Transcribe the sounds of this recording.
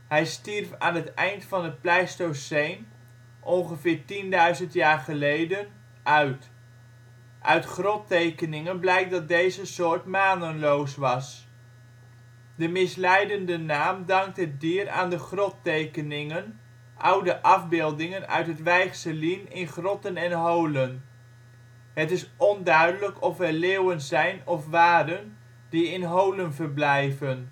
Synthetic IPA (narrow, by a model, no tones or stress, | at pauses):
ɦɛjstirfa̰ːnɦətɛjntfɑnɦət̚plɛjstowsejn | ʔɔnχəvɪːɹtindœɥzəntjaːɹχəlejdən | ʔœɥt | ʔœ̰ɥtχrɔtejkənɪŋənblɛjk̚dɑt̚dejzəsʊːɹtmaːnənlowsʋɑs | dəmɪslɛjdəndənaːmdɑŋk̚tɦət̚diːɾa̰ːndəχrɔtejkənɪŋən | ʔʌwdəʔɑvbɪːlˠdɪŋənœ̰ɥtɦətʋɛjχsəlinɪnχrɔtənɛnɦowlən | ɦətɪsɔndœɥdələkɔfɛɹleːwənzɛjnɔfʋaːdən | d̥iɪnɦowlənvəɹblɛjvən